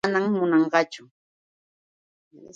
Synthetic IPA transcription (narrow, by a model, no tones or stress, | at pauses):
naŋmʊnɑɴɢɑt͡ʃʊ